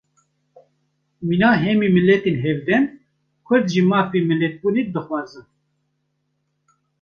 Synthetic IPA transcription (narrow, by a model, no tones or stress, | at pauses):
minaːɦɛmimɨlɛt̪eːnɦɛvd̪ɛn | kʰʊɾd̪ʒimɑːfemɨlːɛt̪̚buːned̪ɨxwɑːzɨn